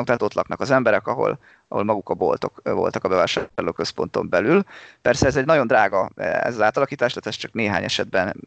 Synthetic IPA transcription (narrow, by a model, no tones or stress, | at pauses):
ok̚t̪ɛɦːt̪o̞t̪lʔɒknɒkɒzɛmbɛɾɛkɒɦo̞̰l | ɒho̞lmɒɡukɒbo̞̰lt̪o̞kvo̞̰lt̪ɒkɒbɛvaːʃarloːkø̞spo̞nt̪o̞̰mbɛlylpɛrsɛɛzɛɟnɒɟo̞nd̪raːɡɒɛ̰zɒzaːt̪ɒlɒkiːt̪aːʃt̪ɛt̪ɛst͡ʃɒkneːɦaːɲɛʃɛd̪̚bɛn